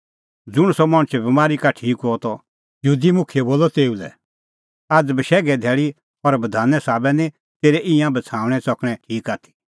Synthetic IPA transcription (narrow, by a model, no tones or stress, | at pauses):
d͡zʊɽ̃sɔmɐɽ̃t͡ʃɛbɐmaːɾikaʈʰiːkɦoɔt̪ɔ | jəɦuːd̪imʊkʰijɛboːlɔt̪eːulɛ̰ | ad͡zbəʃɛːɡɛd̪ʱɛːɭi | ɔɾbɐd̪ʱaːnɛsaːbɛnĩ | t̪eːɾɛʔɪ̃jãbɐt͡sʰaːʊ̃ɽ̃ɛ̃sɔkɽ̃ɛ̃ʈʰiːkaːt̪ʰi̥